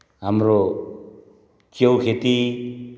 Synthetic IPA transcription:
ɦamɾo | kjewkʰet̪i

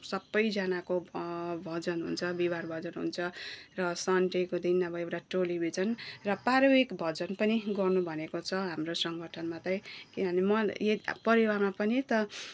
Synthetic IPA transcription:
sʌbːʌjd͡zanakobʱʌd͡zʌnɦṵnt͡sʰʌbibarbʱʌd͡zʌnɦṵnt͡sʰʌrʌsʌɳʈekod̪inːʌbʌewʈaʈolibʱid͡zʌnrʌpaɾʌbikbʱʌd͡zʌnpʌniɡʌrnubʱʌnekot͡sʰʌɦamrosʌŋɡʱʌʈʰʌnmat̪ʌjkinʌʌnemʌjepʌɾiwarmapʌnit̪ʌ

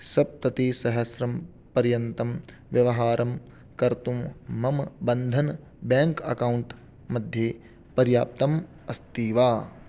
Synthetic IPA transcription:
sɐb̚t̪ɐt̪iːsɐɦɐsɾɐm | pɐɾjɐnt̪ɐm | ʋjɐʋɐɦaːɾʔɐm | kɐɾt̪umːɐmbɐnd̪ʱɐn | baːŋkɐ̰kɐwuɳʈ | mɐd̪ʱje | pɐɾjaːp̚t̪ɐm | ɐst̪iːʋaː

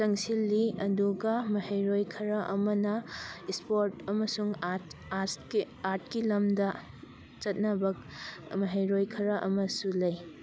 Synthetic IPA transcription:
sɐŋsilːiɐduɡɐmɐhejɾojkʰɐɾɐʔɐmɐnɐispoɾtɐmɐsuŋas | aɾt̚kilɐmdɐ | t͡ʃɐt̚nɐbɐk̚ | mɐɦejɾojkʰɐɾɐʔɐmɐsulɐj

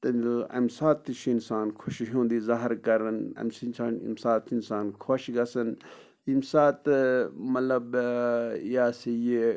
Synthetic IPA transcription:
t̪ɐnɐ̰msaːt̪ːiʃʰiinsaːnkʰoʃiɦũːnd̪iːzaɦɾkɐɾɐnɐ̰msint͡ʃʰaːnḭmsaːt̪insaːnkʰoːʃiɡɐsɐn | imsaːt̪mɐlɐb | jaːsije

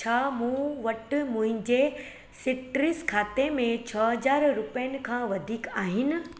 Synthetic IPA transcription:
t͡ɕʰaːmũːʋɐʈʊmʊ̃ɦɪ̃ɲd͡ʑe | sɪʈɾɪskʰaːt̪emẽt͡ɕʰɐɦɐd͡ʑaːɾɾʊpijənɪ̆kʰãːʋɐd̪ʱiːkaːɦɪnɪ̆

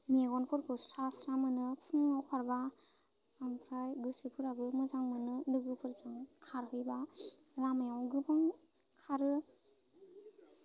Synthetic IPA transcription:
meɡɔnpʰɯɾkʰɯstʰasɾamɯnɯpʰɯŋːawkʰaɾba | ampʰɾajɡɯsɯpʰɯɾaɡɯmɯzaŋmɯnɯlɯɡɯpʰɯɾzɯŋkʰaɾhɯjba | lamajawɡɯpʰaŋ | kʰaɾɯ

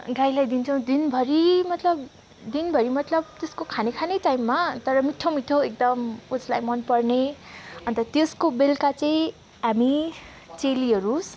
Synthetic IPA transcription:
ɡajlajd̪int͡sʰʌw̃d̪inbʱʌɾimʌt̪lʌb | d̪inbʱʌɾimʌt̪lʌb̚t̪eskokʰanekʰanʌjʈajmːat̪ʌɾʌmiʈʰːomiʈʰːoek̚d̪ʌmud͡zlajmʌnpʌrneʌnt̪ʌt̪eskobelkat͡saĩ | ɦami | t͡seliɦʌɾus

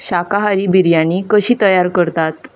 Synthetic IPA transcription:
ɕakaɦaɾiːbiɾjanːikəɕiːt̪əjaɾkəɾt̪at̪

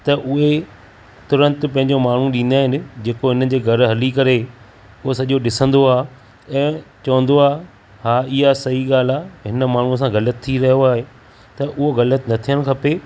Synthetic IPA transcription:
t̪ɐʔʊɦe | t̪ʊɾə̃nt̪pɐ̃ɦɪ̃ɲ̆d͡ʑomaːɳ̤ũɗĩːn̆d̪aːɦɪnɪ̆d͡ʑeːkoɦɪnəd͡ʑeːɡʱɐɾɦɐlikɐɾe | ʊɦosɐʄoɗɪsə̃nd̪oaː | ɛ̃ːt͡ɕɐʋə̃nd̪oaː | haːɪɦasɐɦiɠaːl̤aːɦɪnə̆maːɳ̤uəs̬ãɣɐlət̪ʰːiɾɐɦijoaːɦe | t̪ɐʔʊɦoɣɐlət̪nɐt̪ʰijəl̆kʰɐpeː

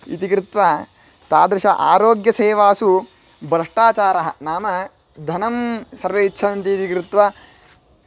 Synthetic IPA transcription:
ḭt̪ikɾɪt̪ʋa | t̪aːd̪ɾɐʃɐʔaːɾoːɡjɐseːʋaːsu | bʱɾɐʂʈaːt͡ʃaːɾɐɦɐ̰naːmɐ | d̪ʱɐnɐmsɐɾʋeitːʃʰɐnɐnt̪iːt̪ikɾɪt̪ʋɐ

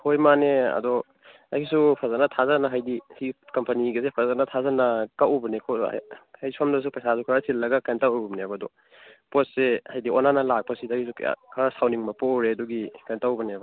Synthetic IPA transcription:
hojmaneɐ̰dɔ | a̰kisupʰazanɐtʰazanɐɦajdisikɐmpɐniɡɐsepʰazanɐtʰazanɐkawʔubɐnekʰɔ̰hajsamdɐs̬upɐjsasukʰɾasilːɐɡɐkajntawubneabɐdɔ | pot̚sehajdiɔnanɐlak̚pɐsidakisukkʰɾasawniŋmɐpoɾeɐdɔɡikajntawbɐnebɐ

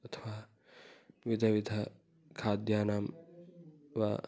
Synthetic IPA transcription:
ɐt̪ʰɐʋaː | ʋid̪ʱɐʋid̪ʱɐ | kʰaːd̪jaːnaːm | ʋa̰ː

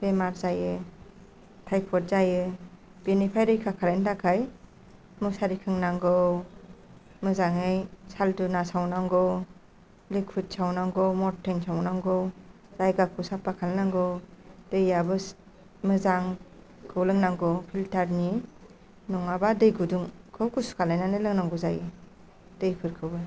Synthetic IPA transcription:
b̥emaɾzajɯ | tʰajpʰɔɾ̚zajɯ | b̥enipʰajdɯjkʰakʰalendakʰaj | musaɾikʰɯŋnaŋɡɯ | mɯzaŋɯjsaldunasawnaŋɡɔw | lek̚pʰut̚sawnaŋɡɔmɔɾtʰensawnaŋɡɔw | zajɡakʰusapːakʰalnaŋɡɯwd̥ejabɯ | mɯzaŋ | kʰɯwlɯŋnaŋɡɔpʰiltaɾni | nɔŋabadɯjɡudɯŋkʰɯwɡuskʰalajnanɯlɯŋnaŋɡɔzajɯ | d̥ejpʰɯɾkʰɯwbɯ

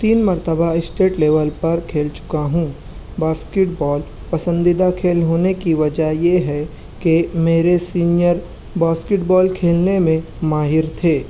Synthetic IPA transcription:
t̪iːnmɐɾt̪əbaɪsʈeːʈleːʋəlpɐɾkʰeːlt͡ʃʊ̥kaɦũ | baːskɪʈbɔːl | pɐsə̃nd̪ɪd̪akʰeːlɦoːnekiʋɐd͡ʒəjeɦɛ | kemeːɾesiːnijəɾ | baːskɪʈbɔːlkʰeːlnemẽ | maːɦɪɾt̪ʰeː

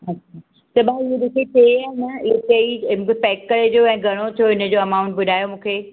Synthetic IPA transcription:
ɐt͡ɕʰaː | t̪ɐbaɪɦeɗɪkʰet͡ɕɐjaːɦɪnɐɪetɐimũːkʰepɛːkːɐɾed͡ʑoɛ̃ːɡʱɐɽ̃ot̪ʰijoɪnə̆d͡ʑoːɐmaːʊ̃ɳʈ̚bʊɗʱaːjomũːkʰeː

